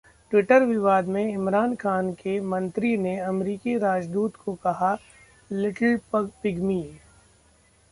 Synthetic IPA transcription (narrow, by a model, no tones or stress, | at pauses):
ʈwɪʈəɾʋɪʋaːd̪mẽɪmɾaːnxaːnkemɐ̃nt̪ɾineɐmɾiːkiɾaːd͡ʒd̪uːt̪kʰokɐɦa | lɪʈəlpɐɡpɪɡmiː